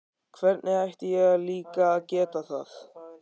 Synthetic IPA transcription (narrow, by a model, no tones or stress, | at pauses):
kʰvɛɾt̪nɪɣajht̪ɪjɛɣaliːkaːðcɛːt̪aθa̰θ